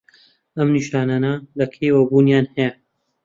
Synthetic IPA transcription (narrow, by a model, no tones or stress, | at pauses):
ɐmniʃaːnaːnɐlɐkʰejwɐbuːnjaːnhɛjɐ